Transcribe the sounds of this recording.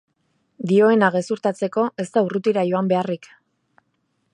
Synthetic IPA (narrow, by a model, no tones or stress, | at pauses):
d̪io̞e̞naɣe̞suɾt̪at͡se̞ko̞ʔe̞st̪aurut̪iɾajo̞ambe̞arik